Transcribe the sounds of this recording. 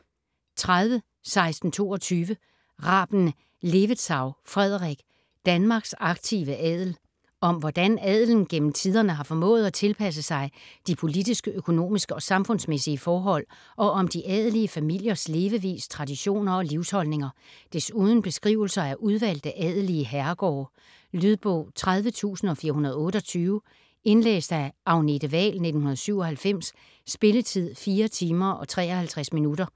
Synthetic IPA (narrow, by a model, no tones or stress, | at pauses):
t͡sʰʁaðˠʋə | sɑ̈ɪsd̥n̩t͡sʰo̝̰ːɒt͡sʰyːʋə | ʁɑ̈ːb̥n̩ | le̝ʋəd̥sɑ̈ʊfʁɛð̞̰ˠʁeɡ̥ | d̥ænmɑ̈ːɡ̥sɑ̈ɡ̥̚t͡sʰiʋəʔɛð̰ˠl̩ | ɒ̽mʋɒd̥ænɛð̰ˠln̩ɡ̥en̰m̩t͡sʰiðˠɐnəɦɑ̈fɒ̽mɔ̰̽ːð̩ˠæt͡sʰe̝lpʰæs̬əsɑ̈ɪd̥ipʰo̝lid̥isɡ̥əøkʰo̝no̝̰ːmisɡ̥əɒ̽sɑ̈mfɔ̽nsmesiəfɒːɦɒ̽l̰ | ɒ̽ɒ̽md̥iʔɛð̞ˠliəfæmil̰jɐsle̝ːʋəʋḭːst͡sʰʁɑ̈d̥iɕo̝̰ːnɐɒ̽liʊshɒ̽lne̝ŋɐd̥e̝suːð̞ˠn̩b̥e̝sɡ̥ʁḭʊl̩sɐæɐʔuð̞ˠʋæl̰d̥æʔɛðˠəliəɦæɐɡ̥ɒ̰ː | lyð̞ˠb̥ɔ̰ʊ̰t͡sʰʁað̞ˠʋət͡sʰṵːsn̩ɒ̽fiːɐɦunɐðˠɔ̽ːɾ̥əɒ̽t͡sʰyːʊ | e̝nlḛːsd̥æɑ̈ʊned̥əʋɛ̰ːlne̝d̥n̩hunɐð̞̩ˠsyʊ̰ɒ̽hælfem̰sː | b̥e̝lət͡sʰið̞̰ˠfiːɐt͡sʰiːmɐʔɒ̽t͡sʰʁɛ̰ːɒ̽hælt͡sʰʁasminudɐ